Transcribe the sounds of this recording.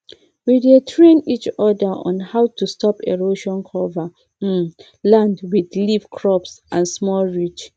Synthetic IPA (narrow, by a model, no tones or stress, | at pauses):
widetʰɹẽnit͡ʃɔdəʔɔ̰̃nhaʊtustʰɔpḛɹoʃɔ̃nkʰɔva | lãndwidlivkʰɹɔpsʔã̰nsmɔlɹit͡ʃ